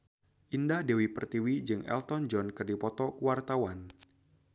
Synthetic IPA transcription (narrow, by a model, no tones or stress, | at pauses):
ʔindahdewipərt̪iwid͡ʒɨŋʔɛ̰lt̪ɔnd͡ʒɔnkɨrdipɔt̪ɔkuwart̪awan